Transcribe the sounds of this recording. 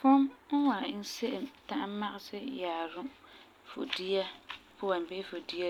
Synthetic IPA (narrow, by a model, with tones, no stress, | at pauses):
fʊ˦mn̩˦wa˨n̩˦se˦ʔɪ˨mta˦ʔma˦ʔɪ˦sɪ˦jaː˨ɾʊ˦ | fo̰˨di˦a˦pʰʊ˦wa˨nbe˦fo˨di˦a˦